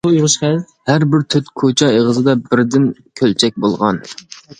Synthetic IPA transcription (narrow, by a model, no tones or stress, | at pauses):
ujuʁʊʃχæl | hæɾbɪɾt̪ʰyt̪kʰot͡ʃʰɑeʁəzɨd̪ɑbɪɾd̪ɪnkʲʰølt͡ʃʰɛk̚ʲbolˠʁɑ̰n